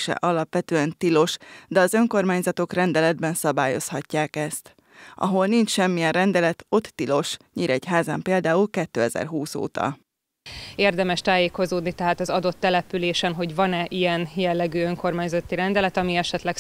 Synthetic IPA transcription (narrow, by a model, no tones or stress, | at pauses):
ʃɛ̰ʔɒlɒpʋɛt̪øːɛnt̪ilo̞ʃd̪ɛɒzø̞ŋko̞rmaːɲzɒt̪o̞krɛnd̪ɛlɛd̪bɛnsɒbaːjo̞̰shɒcːaːkɛst̪ | ʔɒ̰ɦo̞lnint͡ʃʃɛmːijɛnrɛnd̪ɛlɛt̪o̞t̪ːilo̞ʃɲiːɾɛchaːza̰ːmpeːld̪aːulkɛt̪ːø̰ːɛzɛ̰rɦuːso̰ːt̪ɒ̰ | eːrd̪ɛmɛʃt̪aːjeːko̞zoːd̪nit̪ɛɦaːt̪ɒzɒd̪o̞t̪ːɛlɛpyleːʃɛnɦo̞ɟvɒnɛʔijɛnjɛlːɛɡyːøŋko̞rmaːɲzɒt̪ːiɾɛnd̪ɛlɛt̪ɒmiɛʃɛt̪lɛk